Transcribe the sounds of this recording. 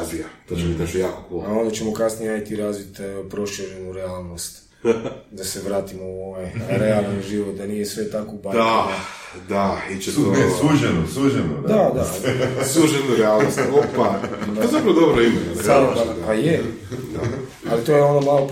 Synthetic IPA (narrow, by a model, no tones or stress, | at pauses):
ziat̪at͡ʃemit̪akojaːkopoao̞nd̪at͡ɕemokasnijeait̪iɾazʋit̪aopɾoʃeʒenuɾealˠnost̪ | d̪ase̞ʋɾaːt̪imouoʋojɾealˠnoʒiʋot̪̚d̪anijesʋe̞t̪akobad̪aa | d̪ait͡ʃesosuʒenosuʒenod̪d̪ad̪asuʒenuɾealnosopaoezapɾɐʋod̪obɾoimeaɾobaaje | d̪a | alit̪ojeonomalo